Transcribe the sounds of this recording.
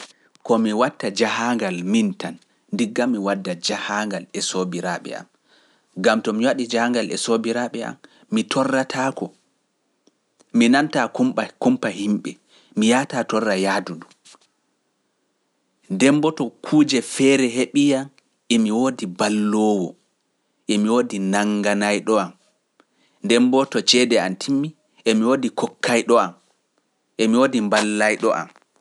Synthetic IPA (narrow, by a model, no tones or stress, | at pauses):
kɔmiwatːad͡ʒahaŋɡalmintanː | diɡːamːiwadːad͡ʒahaŋɡalɛsobiɾaɓɛ̰a̰m | ɡamtɔmiwaɗid͡ʒahaŋɡalɛsobiɾaɓɛʔa̰mː | itʰɔrːatʰaːkɔ | minantakumakumpahimɓɛ | mijatatɔrːajaːdudum | ndɛmbɔtɔkʰuːd͡ʒɛfɛːɾɛɦeɓijam | ʔemiwodibalːɔːwɔ̰ | ʔemiwoːdinaŋɡanajɗɔam | ndɛmbɔtɔt͡ʃɛːdɛantʰimːi | emiwoːdikɔkʰːajɗɔam | ʔemiwoːdimbalːajɗɔʔa̰m